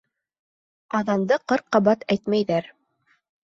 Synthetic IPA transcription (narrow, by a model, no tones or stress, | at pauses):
ɑðɑnd̪ɤqɤɾ̚qːɑβɑt̪æjt̪mæjðæɾ